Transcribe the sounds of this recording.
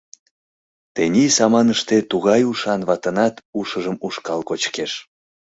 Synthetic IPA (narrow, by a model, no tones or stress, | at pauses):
t̪enʲisɑmɑnəʃt̪et̪uɣɑjuʃɑnβɑt̪ənɑt̪uʃəʒəmuʃkɑlkot͡ɕkeʃ